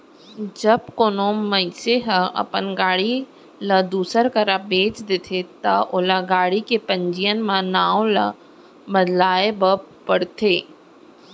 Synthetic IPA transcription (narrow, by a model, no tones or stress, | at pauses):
d͡ʒɐbkoːnomɐseɦəɐ̰pənɡaːɽi | lɐd̪uːsəɾkɐɾabeːt͡ʃd̪et̪ʰet̪aʔʊlaɡaːɽikepə̃ɲd͡ʒijənmãnaːõla̰ | bəd̪laːebəpɐɽt̪ʰeː